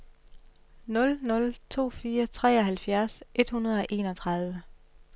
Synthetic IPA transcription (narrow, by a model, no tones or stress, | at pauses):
nɔ̽lnɔ̽lt͡sʰo̝̰ːfiːɐt͡sʰʁɛ̰ːɒ̽ɦælfjæɐsʔe̝d̥hunɐð̞ˠɒ̽ʔe̝ːnɒ̽t͡sʰʁɑ̈ð̞ˠʋə